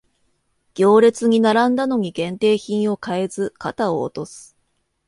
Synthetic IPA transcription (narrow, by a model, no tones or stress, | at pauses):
ɡ̥ʲo̞ːɾe̞t͡sɨɲ̟inaɾãnd̪ano̞ɲ̟iɡẽ̞nt̪e̞ːçĩɰ̃o̞kae̞zɨkat̪ao̰ːt̪o̞sɨ̥